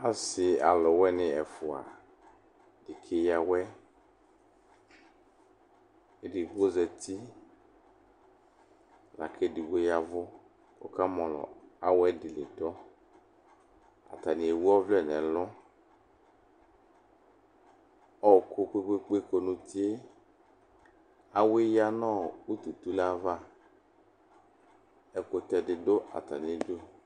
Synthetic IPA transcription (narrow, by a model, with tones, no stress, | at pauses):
a˦sɪ˨a̰˨lɔ˨wɛ˦nɪ̃˦ɛ˨fʊ˨a̰˨ | di˨kʰe˦ja˨wɛ˦˨ | di˨ɡo˦zɛ˨t̪i˦ | la̰˨kʰɛ˦di˨ɡ͡bo˦ja˨vɔ˦ | kɔ̰˦ka˦mɔ̃˨lɔ̰˨a˦wɛ˦dɪ˨lɪ˨dɔ˦ | a̰˨ta˨nɪ̃˨e˨wu˦ɔ˦vlɛ˦˨nɛ˨lɔ˦ | ɔ˨ko˨˧ke˦ke˦k͡pe˦ko˨nʊ̃˨t̪i˦e˦ | a˨we˦ja˦nɔ̃˦˨u˦t̪u˨t̪u˦la˦va˦˨ | ɛ˨kʊ˨t̪ɛ˨dɪ˨dʊ˦ʔa̰˨ta˨ni˨e˨˦do˦˨